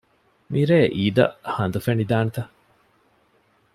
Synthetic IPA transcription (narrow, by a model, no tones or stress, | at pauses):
miɾeːʔiːd̪ɐ̰hɐnd̪ufenid̪aːnet̪ɐ